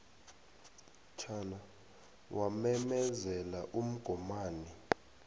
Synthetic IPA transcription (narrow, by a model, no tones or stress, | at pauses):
t͡ʃʰaːna | wʔamɛmɛzɛlaʔum̩ɡ̥ʱɔmaːni